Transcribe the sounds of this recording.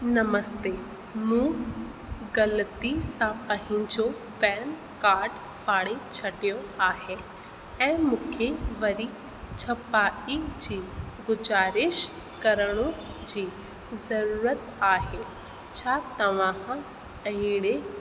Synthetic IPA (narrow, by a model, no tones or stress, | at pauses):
nɐməst̪eː | mũː | ɡɐlət̪isãpãɦɪ̃d͡ʑo | bɛːn | kaːɾɖ | fʰaːɽit͡ɕʰɐɖijoaːɦe | ɛ̃ːmʊ̃kʰeʋɐɾi | t͡ɕʰɐpaːid͡ʑiːɡʊd͡ʒaːɾɪʃ | kɐɾəɽ̃õ | d͡ʑiː | zɐɾuːɾət̪aːɦe | t͡ɕʰaːt̪ɐʋãːɦã | ɐiɽe